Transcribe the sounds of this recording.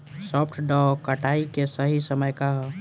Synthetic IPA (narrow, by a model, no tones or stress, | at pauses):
sɔpʰʈʰɖɔkəʈaikesəɦisəməjkaɦ